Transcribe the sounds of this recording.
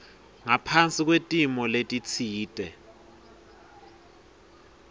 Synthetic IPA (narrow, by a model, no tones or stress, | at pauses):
ŋapʰant͡sʼik̬ʼwetʼimɔletʼit͡sʰiːtʼɛ